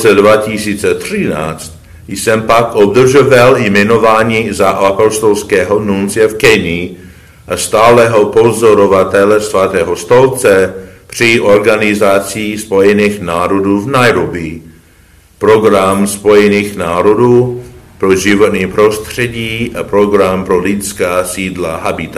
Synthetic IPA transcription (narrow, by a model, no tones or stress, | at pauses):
t͡sɛdvacisiːt͡sɛt̪r̝̥ɪna̰ːt͡st̪ | jsɛmpakobd̪r̩ʒovaljmɛnovaːɲiːzaʔapost̪olskɛːɦonunt͡sɪɛfkɛni | ʔast̪aːlɛɦopozoɾovat̪ɛlɛsvat̪ɛːɦost̪olt͡sɛpr̝̥ɪʔoɾɡanɪzat͡sispo̞jɛniːxnaːɾoduːvnajɾobi | pɾoɡɾamspo̞jɛniːxnaːɾoduːpɾoʒɪvot̪niːpɾost̪r̥ɛɟiːʔapɾoɡɾampɾolɪskaːsiːdlaɦabɪt̪a